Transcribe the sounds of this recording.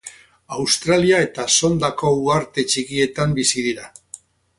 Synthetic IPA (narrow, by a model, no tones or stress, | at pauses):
awst̪ɾaliae̞t̪aso̞nd̪ako̞uaɾt̪e̞t͡ʃikie̞t̪ambisið̞iɾa